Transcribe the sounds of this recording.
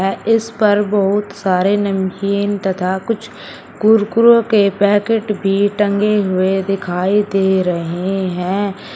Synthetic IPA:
ɛɪspɐɾbɔɦʊt̪saːɾenɐmkint̪ɐt̪ʰakʊt͡ʃʰ | kʊɾkʊɾõkepɛːkeʈbʱiʈə̃ŋɡeɦʊed̪ɪkʰaːid̪eːɾɐɦeɦɛ̃ː

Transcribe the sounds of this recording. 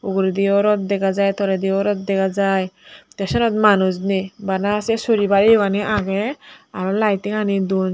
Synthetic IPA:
uɡɾid̪iɔɾɔt̪̚d̪ɛkazajt̪ɔɾed̪iɔɾɔt̪̚d̪ɛkazajt̪ɛsɔnɔt̪manusnibanasɛsoɾibaɾibaniʔaɡeaɾɔlajt̪iŋanid̪un

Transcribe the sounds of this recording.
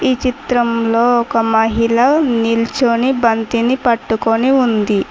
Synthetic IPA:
iːt͡ʃit̪ɾɐmloːɔkɐmɐɦilɐnilt͡ʃonibɐnt̪inipɐʈːukoniund̪i

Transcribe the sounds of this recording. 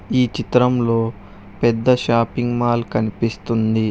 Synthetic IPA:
iːt͡ʃit̪ɾɐmlo̞ː | pɛd̪ːɐʃaːpiŋɡmaːlkɐnipist̪und̪i

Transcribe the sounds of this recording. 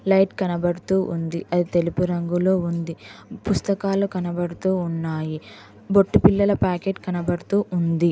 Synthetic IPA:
lɐjʈkɐnɐbɐɽut̪uːʔund̪iʔɐd̪it̪e̞lupuɾɐŋɡulo̞ːund̪ipust̪ɐkaːlukɐnɐbɐɽut̪uːnːaːji | boʈːupilːɐlɐpaːkeːʈkɐnɐbɐɽut̪uːʔund̪i

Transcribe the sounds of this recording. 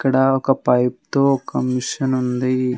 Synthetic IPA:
kːɐɽaɔkɐpɐjp̚t̪okɐmːiʂɐnund̪i

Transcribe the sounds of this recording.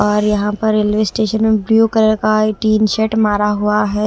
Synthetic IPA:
ɔːɾjɐɦãpɐɾːeːlʋeːsʈeːʃənmẽbɾjuːkəɾkaeʈiːnʃeʈmaːɾaɦuaɦɛ

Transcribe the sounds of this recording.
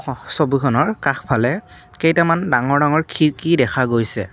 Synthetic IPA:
sobukʰɔnɔɹkaxpʰalɛ | kejtamandaŋɔɹdaŋɔɹkʰiɹkidɛkʰaɡojsɛ

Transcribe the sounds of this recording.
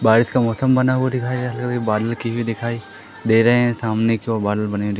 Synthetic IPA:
baːɾɪskamɔːsəmbɐnaɦuad̪ɪkʰaːiɦɐlkkebaːd̪əlkiɦid̪ɪkʰaːi | d̪eːɾɐɦeɦɛ̃saːmnekiɔːɾbaːd̪əlbɐned̪

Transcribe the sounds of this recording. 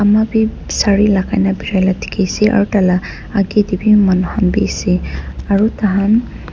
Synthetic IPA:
amabi | saɹilakʰajnabiɾajlatʰi̥kʰesiʔa̰ɹutala | aɡidibimanɔhanbisiaɹutaɦan

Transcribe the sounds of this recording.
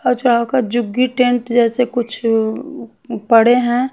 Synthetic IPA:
ɔɾt͡ʃʊɽ̤aːokad͡ʒʊɡiʈẽɳʈd͡ʒɛːsekʊt͡ʃʰ | pəɽ̤eɦɛ̃

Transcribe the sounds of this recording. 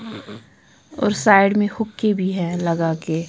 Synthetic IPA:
ɔ̰ːɾsaːɪɖmẽhʊkːebʱiɦɛ̃ːlɐɡakeː

